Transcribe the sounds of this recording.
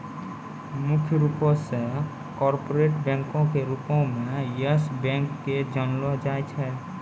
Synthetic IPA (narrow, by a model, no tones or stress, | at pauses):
mukʰjəɾupɔsẽ | kɔɾpoɾeʈbɛ̃ŋkõkeɾupõmejesbɛ̃ŋkːed͡ʒənlɔd͡ʒajt͡ʃʰɛ